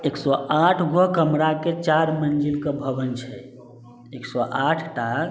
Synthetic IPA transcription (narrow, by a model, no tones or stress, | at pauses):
eksɔaʈʰɡokəmɾaket͡ʃaɾmənd͡ʒilkebʱəbənt͡ʃʰɛ | eksɔʔaʈʰʈa